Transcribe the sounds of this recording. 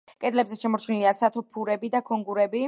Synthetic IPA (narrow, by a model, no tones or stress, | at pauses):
kʼɛd̪lɛbzɛʃɛmɔɾt͡ʃʰniliasat̪ʰɔpʰuɾɛbid̪akʰɔŋɡuɾɛbi